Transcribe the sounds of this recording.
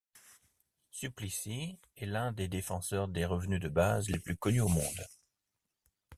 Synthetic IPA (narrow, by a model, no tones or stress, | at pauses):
syplisi | ɛlɛ̃d̪ed̪efɑ̃sœʁd̪eʁəvnyd̪əbazleplykɔnyomɔ̰̃d̪